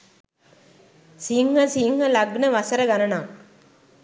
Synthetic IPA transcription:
siŋhəsiŋhəlɐɡnəʋɐsɐɾɐɡanɐnaːŋ

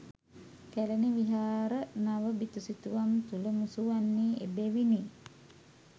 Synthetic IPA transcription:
kæləniʋiɦaːɾənaʋəbit̪usit̪uʋamt̪uləmusuʋanːiːʔḛbeʋiniː

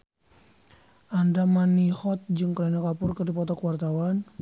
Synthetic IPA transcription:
ʔandamanihɔt̪̚d͡ʒɨŋkəlanakapʊrkɨrdipɔt̪ɔkəwart̪awan

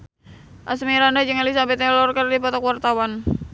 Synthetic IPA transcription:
ʔasmiɾandad͡ʒɨŋalisabɛt̪alɔrkərdipɔt̪ɔkwart̪awan

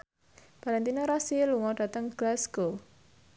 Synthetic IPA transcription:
b̥aɾant̪inɔɾasiluŋɔɖ̥ä̤t̪əŋɡ̥lasɡ̥o

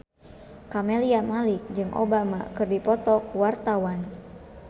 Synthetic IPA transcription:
kamɛliamalik̚d͡ʒɨŋʔo̰bama̰kɨrdipɔt̪ɔkwart̪awan

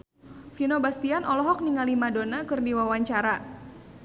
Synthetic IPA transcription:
finobast̪ianɔlɔɦɔk̚niŋalimadonakɨrdiwawaɲt͡ʃaɾa

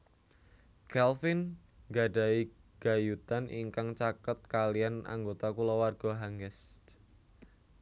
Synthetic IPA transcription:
kɛlfin | ɡaɖa̤iɡ̥a̤jut̪anʔiŋkaŋt͡ʃakət̪̚kaliana̰ŋɡot̪akulɔwarɡ̥ɔ̤ɦaŋɛs

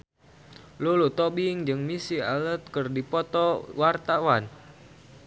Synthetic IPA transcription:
lulut̪ɔbiŋd͡ʒɨŋmisia̰lət̪̚kɨrdipɔt̪ɔwart̪awan

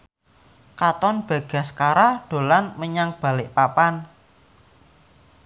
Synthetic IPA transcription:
kat̪ɔnb̥a̤ɡ̥a̤skaɾaɖ̥o̤lanməɲaŋb̥a̤lɪʔpapan

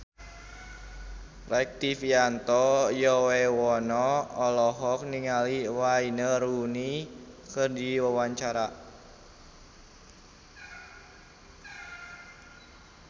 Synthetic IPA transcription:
rɛk̚t̪ifiant̪ɔjɔwewɔnɔɔlɔɦɔk̚niŋaliwainərunikərdiwəwaɲt͡ʃaɾa

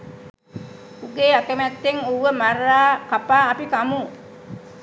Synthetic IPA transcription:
uɡeːakəmæt̪ːeŋuʋəmaraːkapaːpikamu

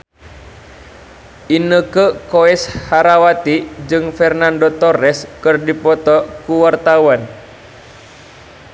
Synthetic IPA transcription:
ʔinəkəkoɛshaɾawat̪id͡ʒɨŋfɛrnandot̪ɔrɛskɨrdipɔt̪ɔkuwart̪awan

